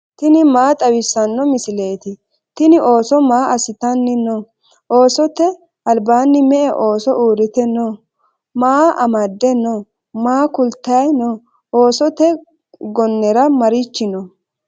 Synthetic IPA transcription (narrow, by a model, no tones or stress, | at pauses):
t̪ɪnɪmaːt̪ʼɐwɪsːɐnːɔmɪsɪle̞ːt̪ɪ | t̪ɪnɪʔo̞ːsɔmaːʔɐsɪt̪ɐnːɪnɔ | ʔoːsɔt̪ɛ | ɐlbaːnːɪmɛʔɛʔoːsɔʔuːɾɪt̪ɛnːɔ | maːɐmɐd̪ːɛnɔ | maːkʊlt̪ːɐɐjnɔ | ʔoːsɔt̪ɛ | ɡɔnːɛɾɐmɐɾɪt͡ʃːɪnɔ